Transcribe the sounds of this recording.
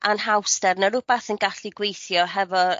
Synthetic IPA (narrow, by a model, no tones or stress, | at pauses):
anhawstɛrnəɾʊbaθənɡaɬiɡwejθjɔɦɛvɔ